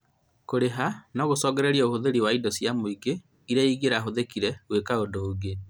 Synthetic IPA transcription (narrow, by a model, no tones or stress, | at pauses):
koɾeɦanaɣosɔːɣɛɾɛɾiaohoðeɾiwaidɔsjamoiɡe | iɾaiɣeɾaɦoðekiɾɛɣwekaodoːɡe